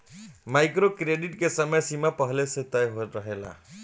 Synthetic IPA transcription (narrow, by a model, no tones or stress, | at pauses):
majkɾokɾeɖiʈkesəməjsimapəɦleset̪ajɦot̪ɾəɦela̰